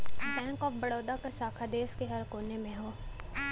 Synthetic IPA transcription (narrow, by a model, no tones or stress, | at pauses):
bɛ̃ːŋkɔːfbɐɽɔːd̪akaʃaːkʰad̪eːskeɦɐɾkoːnemẽɦoː